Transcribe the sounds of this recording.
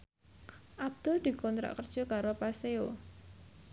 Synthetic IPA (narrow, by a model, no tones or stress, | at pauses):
ʔab̚d̪̥ʊld̪̥i̤kɔnt̪ɾa̰ʔkərd̥ʒ̥ɔ̤kaɾopaseo